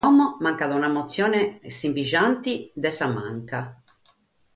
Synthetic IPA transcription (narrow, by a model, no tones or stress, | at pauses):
ɔmomaŋkaðaunamot̪sːjɔːnesimpiʒant̪id̪ɛsama̰ŋka